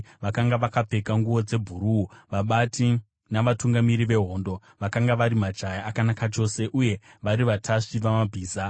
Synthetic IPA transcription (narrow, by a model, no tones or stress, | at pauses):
ʋakaŋɡaʋakap͡fe̞kaŋɡuʋo̞d͡ze̞bʱuɾuuʋaɓatʰi | naʋatuŋɡamiɾiʋe̞ɦo̞ːndo̞ | ʋakaŋɡaʋaɾimad͡ʒajaːkanakat͡ʃo̞se̞ʔuje̞ʋaɾiʋatʰaʂiʋamabʱiːza